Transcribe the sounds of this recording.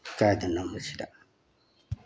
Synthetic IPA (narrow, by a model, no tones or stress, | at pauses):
kaːdanamːusida̰